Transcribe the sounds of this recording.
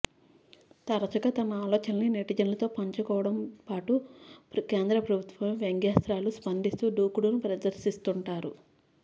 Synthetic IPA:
t̪ɐɾɐt͡ʃɐɡɐt̪ɐmɐaːlɔːt͡ʃɐnɐnineʈid͡ʒɐnlɐt̪o̞ːpɐɲt͡ʃɐkɔːʋɐɽɐmpaːʈupke̞ːnd̪ɾɐpɾɐbʱut̪ʋɐmʋeŋɡjaːst̪ɾaːluspɐnd̪ist̪uːɖuːkuɽunupɾɐd̪ɐɾsist̪uɳʈaːɾu

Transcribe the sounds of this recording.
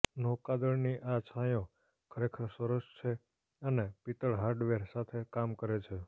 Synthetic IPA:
nokad̪əɭniʔat͡ʃʰajõ | kʰəɾekʰəɾsəɾəʃt͡ʃʰe | ənepit̪əɭɦaɾɖʋeɾsat̪ʰekamkəɾet͡ʃʰe

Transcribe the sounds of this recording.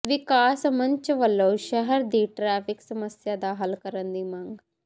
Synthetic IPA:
ʋɪkaːsməɲt͡ʃʋəlːõːʃəɦəɾd̪iːʈɾɛːpʰɪksəməsjaːd̪aːɦəlkəɾənd̪iːmãŋɡ

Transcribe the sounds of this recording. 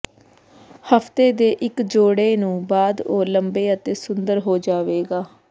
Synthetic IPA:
həpʰt̪eːd̪eːʔɪkd͡ʒoːɽeːnũːbaːd̪oːləmbeːət̪eːsʊnd̪əɾɦoːd͡ʒaːʋeːɡaː

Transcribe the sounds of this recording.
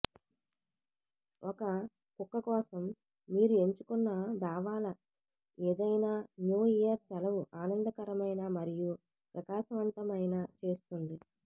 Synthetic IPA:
ɔkɐ | kukːɐkɔːsɐmː | iːɾue̞ɲt͡ʃukunːad̪aːʋaːlɐ | eːd̪ɐjnaːnjuːijɐɾsɐlɐʋuʔaːnɐnd̪ɐkɐɾɐmɐjnaːmɐɾiju | pɾɐkaːʃɐʋɐnt̪ɐmɐjnaːt͡ʃe̞ːst̪und̪i

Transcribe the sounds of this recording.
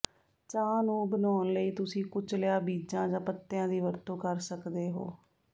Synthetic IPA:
t͡ʃãːnũːbənaːnləiːt̪ʊsĩːkʊt͡ʃlɪjaːbiːd͡ʒãːd͡ʒãːpət̪ːɪjãːd̪iːʋəɾt̪õːkəɾsəkd̪eːɦo̰ː

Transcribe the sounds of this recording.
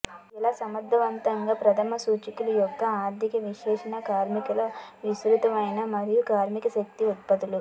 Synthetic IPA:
ilaːsɐmɐd̪ʱːɐʋɐnt̪ɐŋɡaːpɾɐt̪ʰɐmɐsuːt͡ʃikulujɔkːɐaːɾd̪ʱikɐʋiʃɛːʂɐnɐkaːɾmikɐlɐʋisɾut̪ɐmɐjnɐmɐɾijukaːɾmikɐʃɐk̚t̪iut̪̚pɐt̪ulu

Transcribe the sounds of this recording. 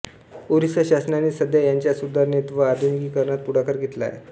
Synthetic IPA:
oɾisəɕasnaniːsəd̪jajaɲt͡ɕjasud̪ʱaɾnet̪ʋəad̪ʱuniɡiːkəɾɳat̪̚puɽakəɾɡʱet̪la̰jḛ

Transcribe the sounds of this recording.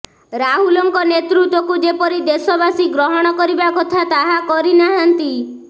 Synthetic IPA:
ɾaɦulɔŋkɔnet̪ɾut̪wɔkud͡ʒepɔɾid̪esɔbasiɡɾɔɦɔɽ̃ɔkɔɾibakɔt̪ʰat̪aɦakɔɾinaɦant̪i

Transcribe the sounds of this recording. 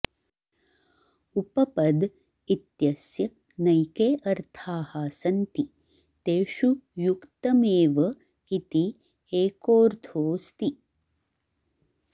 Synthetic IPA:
upɐpɐd̪ | it̪jɐsjɐ | nɐjkeːʔɐɾt̪ʰaːhaːsɐnt̪i | t̪eːʃujukt̪ɐmeːʋɐ | it̪i | eːkoːɾt̪ʰoːst̪i

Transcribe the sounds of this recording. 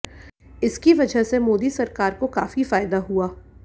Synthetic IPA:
ɪskiʋɐd͡ʒʱəɦsemoːd̪isɐɾkaːɾkokaːfifaːjd̪aɦuaː

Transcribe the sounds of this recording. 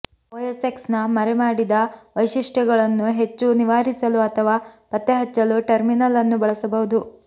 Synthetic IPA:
oːjeseksnɐmɐɾemaːɽid̪ɐʋɐjʃiʂʈɐɡɐɭɐnːuɦe̞t͡ʃːuniʋaːɾisɐluɐt̪ʰɐʋaːpɐt̪ːeɦɐt͡ʃːɐluʈɐɾminɐlɐnːubɐɭɐsɐbɐɦud̪u

